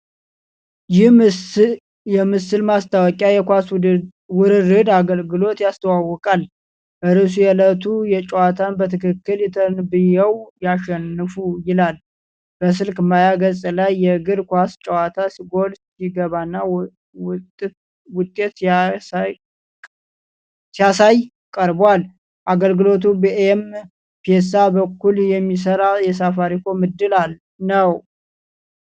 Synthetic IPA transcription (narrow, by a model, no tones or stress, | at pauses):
jɪh | jɛmɨsɨlmast̪ʰawɔkʼajɛkʷas | wʊɾɨɾɨd̪aɡəlɡɨlo̞t̪jast̪ʰəwawːɔkʼal | ʔɨɾɨs̬ujɛlət̪ʰujɛt͡ʃʼɛwat̪ʰanbət̪ʰɨkʰɨkːɨljɛt̪ʰənbɨjɛwjaʃɛnːɨfujɪlal | b̥əs̬ɨlkmajaɡəsʼlajːɛɡɨɾkʷast͡ʃʼəwat̪ʰasɨɡo̞lsiɡəβanːa | wʊt̪ʼːe̞t̪ | sijasaj | kʼəɾbwal | ʔaɡəlɡɨlo̞t̪̬ubiʔem | pʰes̬abəkːuljɛmːis̬əɾawjɛs̬afaɾikʰo̞mɨd̪ːɨlal | nəw